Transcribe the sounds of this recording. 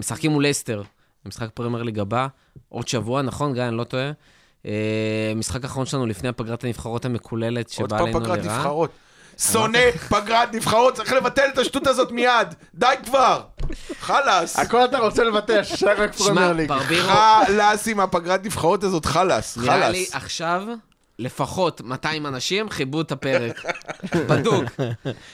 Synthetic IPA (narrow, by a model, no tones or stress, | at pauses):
misakimulest̪e̞ʁ | misχak̚pʁemeʁliɡaba | ʔo̞d̪ʃavuanaχo̞nɡanlo̞t̪oe | emisχakaːχaʁo̞nʃelanulifne̞japaɡʁat̪hanifχaʁot̪hamekʰule̞le̞t̪ʃebapaejpanɡʁat̪niʁiavχaʁot̪ | so̞ne̞paɡʁat̪nifχaʁot̪̚t͡sɐʁiχlevat̪elet̪aʃtut̪azo̞t̪mijad̪ | dajkvaʁχalasako̞lat̪̬aʁo̞t͡sele̞vat̪eaʃʃaʁakfʁemeʁliɡbaʁbiʁalasimapaɡʁat̪nifχaʁotazo̞tχalasχalaliaχʃav | le̞faχo̞tmataimanaʃimχibut̪apeʁekbaduɡ